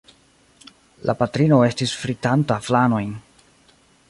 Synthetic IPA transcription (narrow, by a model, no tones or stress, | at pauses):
lʔa̰patɾino̞e̞stisfɾitantaflano̞jn